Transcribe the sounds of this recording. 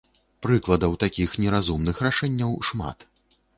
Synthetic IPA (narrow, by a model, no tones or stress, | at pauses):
pɾɨklˠɐd̪ɐwt̪akʲixnʲɛɾazumnɨxraʂɛnʲːɐwʂma̰t̪